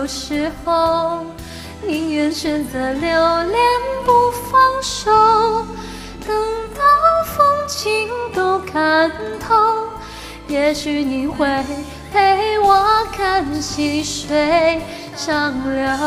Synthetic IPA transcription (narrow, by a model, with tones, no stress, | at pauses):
ʊʂɻ̩˧˥xo˧ʊ | ni˧˥jɥɛ˧˥nʂə˧nd̪ə˨˩ljo˧˩ʊljɛ˧npu˧˩fɑ˥ŋʂo˧ʊ | kɑ˧ŋt̪ɑ˧˦fo˥ŋt͡ɕʰi˧˥ŋt̪o˧˩ʊkʰa˨˩n̩˦t̪ʰo˧˥ | jɛ˧˥ʂɻ̩˧ni˨˩˦xwe˧˩ɪ | pʰe˧˥ɪwɔ˧kʰa˥˧˩nɕʰi˧˥ŋʂwe˧ɪ | ʂɑ˥˧˩ŋljɔ˧˩